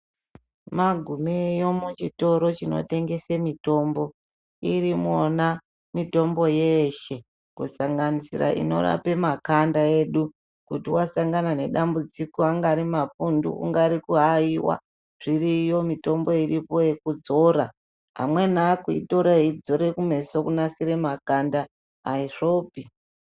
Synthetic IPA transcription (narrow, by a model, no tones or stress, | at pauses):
maɡʱumejo̞mut͡ʃito̞ɾo̞t͡ʃino̞̰te̞ŋɡe̞semito̞mbo̞ | iɾimona | mito̞mbo̞jeʃe̞ | kusaŋɡanisiɾa̰ʔḭno̞̰ra̰pe̞makandaeɗu | kutiwasaŋɡanane̞ɗambud͡zikoaŋɡaɾimafundṵṵŋɡaɾikuɦaiwa̰ | ʐ̥irijomito̞mbo̞iripo̞je̞kud͡zo̞ɾa | ɦa̰mwe̞nakuḭto̞ɾaid͡zo̞ɾe̞kume̞sokunasiɾe̞makandaː | iʐo̞ːpi